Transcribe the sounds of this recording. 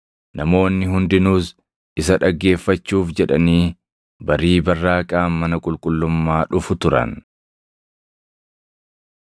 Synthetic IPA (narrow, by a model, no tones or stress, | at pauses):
nɐmo̞ːnːɪɦʊnd̪ɪnuːs | ʔɪsɐᶑɐɡːe̞ːfːɐt͡ʃːuːfd͡ʒɛᶑɐniː | bɐɾiːbɐrːaːkʼaːmɐnɐkʼʊlkʼʊlːʊmːaːᶑʊfʊt̪ʊɾɐ̰n